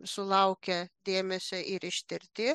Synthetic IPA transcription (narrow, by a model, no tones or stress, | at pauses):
sʊlˠɐʊkʲɛd̪ʲeːmʲɛsʲoʔɪɾɪʃʲt̪ʲɪɾʲt̪ʲɪː